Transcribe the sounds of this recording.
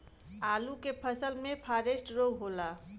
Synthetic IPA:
alukepʰəsəlmepʰaɾesʈɾoɡɦola

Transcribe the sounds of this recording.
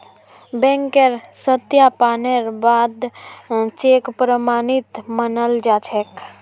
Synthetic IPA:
bɛ̃ŋkeɾsət̪japaneɾbaːd̪ | t͡ʃekpɾəmaːnit̪mənəld͡ʒat͡ʃʰek

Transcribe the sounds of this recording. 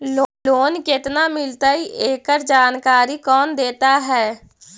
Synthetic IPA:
loːnkɪt̪namɪlt̪aiʔeːkəɾd͡ʒaːnkaːɾikɔːnd̪eːt̪aɦɛː

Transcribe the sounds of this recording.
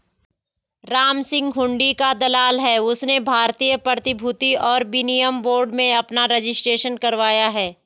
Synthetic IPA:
ɾaːmsɪ̃ŋɡɦʊ̃ɳɖikad̪ɐlaːlɦɛːʊsnebʱaːɾt̪iːjəpɾɐɾət̪ɪbʱʊt̪iɔːɾbinɪjəmboːɾɖmẽɐpnaɾed͡ʒɪsʈɾeːʃənkɐɾʋaːjaɦɛː

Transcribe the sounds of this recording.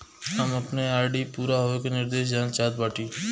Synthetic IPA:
ɦəməpneaːɾɖipuːɾaɦoekenɪɾd̪eːʃ̬d͡ʒaːnt͡ʃaːd̪̚baːʈiː

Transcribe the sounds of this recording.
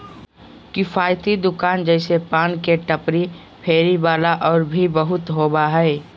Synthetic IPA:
kɪfʰaːjt̪id̪ʊkaːnd͡ʒɛːɪsepãːnkeʈəpɾi | pʰeːɾibaːlaʔɔːɾbʱibəɦʊt̪ɦoːbaɦɛː

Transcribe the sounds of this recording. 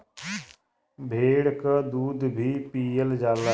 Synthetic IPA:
bʱeːɽkad̪uːd̪bʱipiːəld͡ʒaːla

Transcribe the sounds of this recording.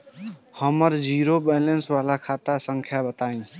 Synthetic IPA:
həməɾd͡ʒiɾobɛjlensʋalakʰat̪asəŋkʰjabət̪aĩ

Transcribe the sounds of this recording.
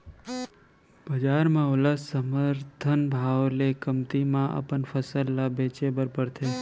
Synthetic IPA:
bəd͡ʒaːɾmãʊləsəməɾt̪ʰənbʱaʋlekəmt̪imãʔə̰pənfʰəsəlːabeːt͡ʃebəɾpəɾt̪ʰe

